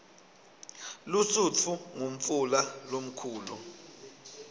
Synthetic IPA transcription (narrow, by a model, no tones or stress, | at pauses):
lusut͡fʰuŋum̩fulalom̩kʰuːlu